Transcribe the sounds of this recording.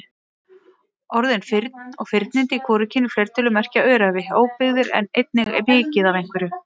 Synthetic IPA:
ɔɾðɪnfɪɾt̪nɔ̰ɣfɪɾt̪nɪnt̪ɪikʰɔːɾɪcʰɪnːɪfleɾ̥t̪ʰɪlʏmɛr̥caœːɾavɪoːwpɪɣðɪɾɛ̰nejt̪̚nɪɣmɪːcɪðavejŋ̥kvɪɾʏ

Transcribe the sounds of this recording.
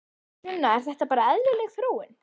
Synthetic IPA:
ɛnːaɛɾ̥θɛht̪apaːɾaɛðlɪlɛɣθɾoːwɪn

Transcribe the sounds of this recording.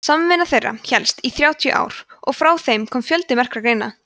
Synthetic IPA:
saːmɪvɪnːaθejrːa̰çɛlst̪iθɾjaːwt̪ʰijʏʔa̰ːwɾ̥ɔ̰ɣfɾaːwθejmkʰɔːmfjœlt̪ɪmɛr̥kɾakɾejna

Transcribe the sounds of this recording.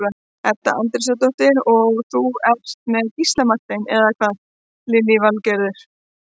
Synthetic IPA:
a | ɛt̪ːa̰ʔant̪ɪɾ̥s̬at̪̬ɔht̪ɪɾɔɣθuɛr̥t̪mɛɣist̪lamat̪ɪnɛðakʰvað | lɪlːɪvalcɛɾðʏɾ̥

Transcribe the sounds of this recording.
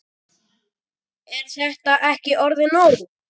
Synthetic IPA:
ɛɾ̥θɛht̪aʔɛhcɪʔɔɾðɪnɔːɾðʏ

